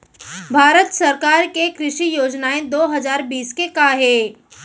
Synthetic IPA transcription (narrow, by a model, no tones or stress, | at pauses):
bʱaːɾət̪sɐɾkaːɾkekɾɪʃijoːd͡ʒnaːẽd̪oːɦɐzaːɾbiːskekaɦeː